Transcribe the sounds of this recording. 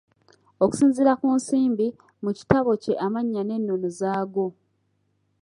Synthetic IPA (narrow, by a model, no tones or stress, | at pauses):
o̞ku̥siːnziɾakuːnsiːmbi | muci̥taβo̞ce̞ʔamaɲːane̞nːonozaːɡo̞